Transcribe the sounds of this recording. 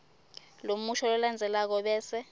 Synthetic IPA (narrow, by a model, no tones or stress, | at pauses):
lomuʃʰɔlɔland͡zʱɛlak̬ɔɓɛːsɛ